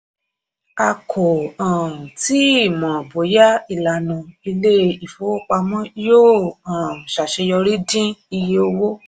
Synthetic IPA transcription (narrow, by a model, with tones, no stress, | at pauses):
a˧kʰo˨ã˨ti˦i˦˨mɔ̃˨bo˨˦ja˦i˨la˨nũ˨i˧le˦i˨fo˨˦k͡pa˧mɔ̃˦joː˦˨ã˨ʃa˨ʃe˧jɔ˧ɾi˦dĩ˦i˧je˧o˧wo˦